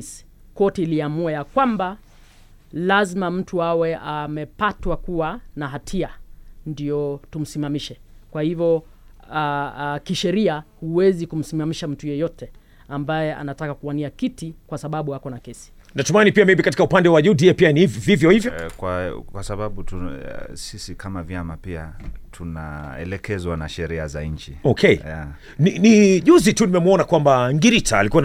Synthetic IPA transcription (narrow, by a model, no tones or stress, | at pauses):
s | kɔtiːliamuajakwamba | lazmam̩tuawɛamɛpatwakuwanaɦatʰiandiɔtum̩simamiʃɛkwahivjɔ | kiʃɛɾiahuwɛzikum̩simamiʃam̩tujɛjɔtɛ | ambajɛa̰natakakuwaniakitikwasaɓaɓuakɔnakɛsi̥ | natɔmanipiamimikat̬ikaupandɛwaʄudiɛpianivvivjɔhivjɔkwakwasaɓaɓutusisikʰamavjamapiatʰuna̰ɛ̰lɛkɛzwana̰ʃɛɾiaza̰ɲ̩t͡ʃiɔkʰɛja | niniʄuzitunimɛmwɔnakwambaŋɡiɾitʰa̰ːlikuwa